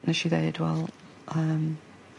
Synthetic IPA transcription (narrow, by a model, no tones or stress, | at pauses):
nəʃiðeɪdwɛ̰lˠ | əm